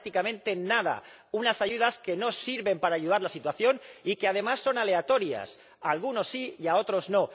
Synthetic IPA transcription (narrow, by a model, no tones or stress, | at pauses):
t̪ikamẽnt̪e̞nað̞a̰ | unasaʝuðaske̞no̞siɾβe̞mpaɾaːʝuðaɾlasit̪waθjo̞nike̞að̞e̞masːo̞nale̞at̪o̞ɾja̰s | alɣuno̞sːijao̞t̪ɾo̞zno̞